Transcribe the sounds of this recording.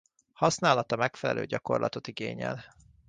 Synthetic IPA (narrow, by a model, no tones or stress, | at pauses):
hɒsnaːlɒt̪ɒmɛkfɛlɛlʔø̰ːɟɒko̞rlʔɒ̰t̪o̞t̪iɡeːɲɛl